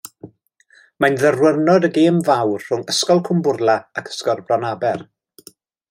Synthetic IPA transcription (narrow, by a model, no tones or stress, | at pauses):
manðərwərnɔdəɡeːmvawrr̥ʊŋəskɔlˠkʰʊmbʊrlˠaakʰə̥skɔrbrɔnabɛr